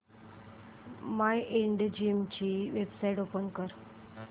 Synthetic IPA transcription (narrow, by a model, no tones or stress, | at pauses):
majʔeɳɖd͡ʑimt͡ɕiʋebsaiʈopənkəɾ